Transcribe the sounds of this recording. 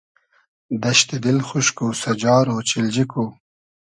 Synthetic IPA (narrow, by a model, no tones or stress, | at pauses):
d̪aʃt̪ɪd̪ɪlxʊʃkosad͡ʒɑːɾot͡ʃɪld͡ʒiku